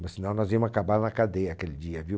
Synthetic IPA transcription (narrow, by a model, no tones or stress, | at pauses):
mɐssinɐ̃w̃nɔzvimʊzakabaɾnɐkad̪eɐakelid͡ʒiɐvi